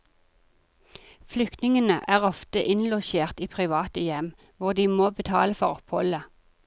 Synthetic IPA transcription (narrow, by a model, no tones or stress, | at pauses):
flʏkt̪nɪŋənəʔæːʁɔft̪əʔɪnlɔʃeːʁt̪iːpʰʁɪʋɑːt̪əjɛm | ʋʊʁd̪iːmoːbət̪ʰɑ̰ːləfɔʁɔphɔ̰lə